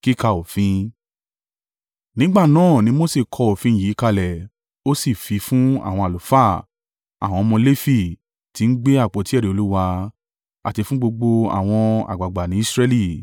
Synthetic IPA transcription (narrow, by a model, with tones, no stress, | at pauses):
ki˦˨ka˧o˨fĩ˧ | nĩ˨˦ɡ͡ba˦˨nãː˦˨nĩ˧˦mo˦˨se˦˨kʰɔ˧o˨fĩ˧˦jiː˨˦ka˧lɛ˨ | o˦si˦˨fi˨˧˦fũ˦a̰˦˨w̃ɔ̃˧a˨lu˨fa˦˨ | a̰˨w̃ɔ̃˧ɔ˧mɔ̃˧le˦fi˧˨ | ti˨˧n̩˦ɡ͡be˦a˦˨k͡po˨˦ti˦ɛ˦˨ɾe˨o˧lu˦wa˧ | a̰˨ti˧fũ˦ɡ͡bo˧ɡ͡bo˧a̰˨w̃ɔ̃˧a̰˨ɡ͡ba˨ɡ͡ba˨nĩ˨˦i˦sɾɛ˦li˦˨